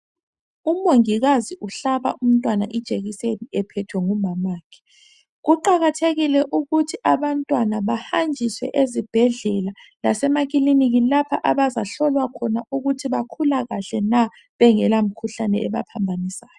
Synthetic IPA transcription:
umoŋiɣaziʔuɬaβa̰ʔum̩tʼwana̰ʔid̥ʒ̥ʱeɣiseniɛpʰɛtʰwɛŋumamaːkʰɛ̥ | ɣuǃaɣatʰeɣilɛʔuɣutʰiʔaβantʼwanaβahand͡ʒʱiswɛ̰ʔezib̥ʱɛɮɛla | lasɛmaɣiliniɣilapʰaʔaβazaɬɔlwakʰɔnauɣutʰiβakʰulaɣaɬɛna | βɛŋɛlam̩kʰuɬanɛɛβa̰pʰambʱanisaːjɔ

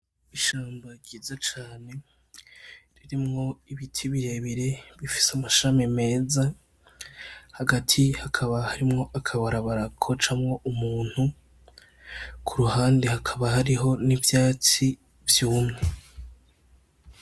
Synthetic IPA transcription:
iʃaːmbaɟiːzat͡ʃaːne̞ | ɾiɾimŋo̞iβitʰiβiɾe̞βiɾe̞βifi̥samaʃamime̞ːza | haɡatʰihakʰaβahaɾimŋo̞ʔakʰaβaɾaβaɾakʰo̞t͡ʃamŋo̞ʔumuːn̥hu | kʰuɾuhaːndehakʰaβahaɾiɦo̞nivjaːt͡si | vjuːmŋe̞

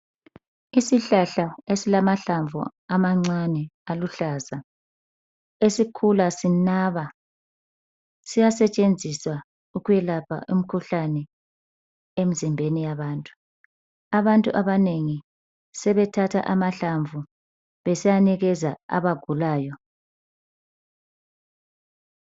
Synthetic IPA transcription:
isiɬaɬaesilamaɬaɱvṵamaŋ͡ǀanɛaluɬaːza | esikʰulasinaːβa | sijasɛt͡ʃʼend͡zʱiswa | uɣujɛlapʰa̰ʔum̩kʰuɬanɛ | em̩zimbʱenijaβaːntʼu̥ | aβantʼuʔaβaneŋi | sɛβɛtʰatʰa̰ʔamaɬaɱvʱu | βɛsɛjaniɣɛzaa̰βaɡ̥ʱulaːjɔ

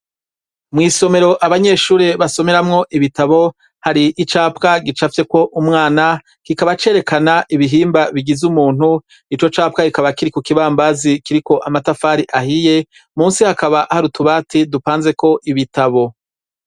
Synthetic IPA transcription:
mŋiːso̞me̞ɾo̞ʔaβaɲe̞ːʃuːɾeβaso̞me̞ɾamŋo̞ʔiβitaβo̞ | haɾiʔːt͡ʃaːpkaɡit͡ʃafje̞ko̞ʔumŋaːna | kikaβat͡ʃe̞ːɾe̞kʰanaʔiβiɦiːmbaβiɡizumuːn̥u | it͡ʃo̞t͡ʃaːp̚kaɡikaβakiɾikukiβaːmbazikiɾiko̞ʔamatafaːɾiʔahije̞ | muːnsihakaβaʔahaɾutuβaːtʰidupaːnze̞ko̞ʔiβitaβo̞

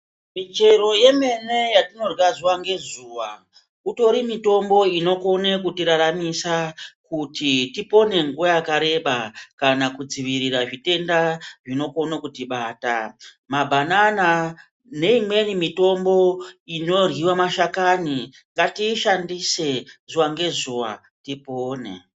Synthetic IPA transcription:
mit͡ʃe̞ɾo̞je̞me̞ne̞jatino̞rwazuwaŋɡe̞zuːwa̰ | uto̞ɾimito̞mbo̞ino̞ko̞ne̞kutiɾaɾamisakutitipo̞ne̞ŋɡuwajakaɾe̞ɓakanakud͡ziʋiɾiɾaʐite̞ndaʐino̞ko̞nakutiɓaːta | mabʱanana | ne̞imwe̞nimito̞mbo̞ino̞rwiwamaʃakani | ŋɡatiːʃandise̞z̥uwaŋɡe̞zuwa̰ | tipoːnḛ

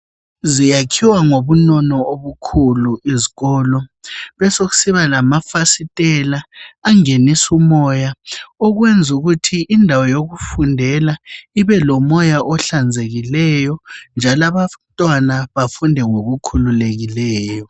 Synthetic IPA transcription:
zijakʰiwaŋoβunɔnɔoβukʰuluiziɣɔːlɔβɛsoɣu̥siβalamafasitʼɛlaːŋenisumɔjaɔɣwend͡zʱuɣutʰiʔindʱawɔjoɣufundʱɛlaiβɛlɔmɔjaʔɔɬand͡zʱeɣilɛjɔnd͡ʒʱalaβatʼwanaβafundʱɛŋoɣukʰululeɣilɛːjɔ

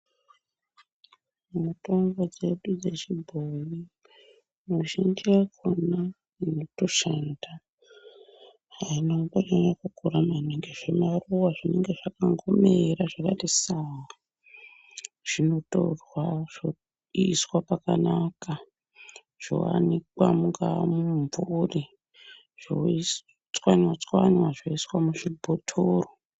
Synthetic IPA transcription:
mumuto̞ŋɡo̞d͡ze̞ɗud͡ze̞t͡ʃibʱoji | muʒindiakʰona | ino̞to̞ʃanda | ɦainapaɲaɲakukuɾamaneŋɡeʐe̞maruwaʐine̞ŋɡe̞ʐakaŋɡomeɾaʐakatisawa | ʐ̥ino̞to̰rwaʐ̥o | iswapakanaka | ʐ̥o̰wa̰nikwamuŋɡamuɱvuri | ʐ̥o | t͡swaɲwat͡skwaɲwaʐoiswamuʐibʱotʰoro

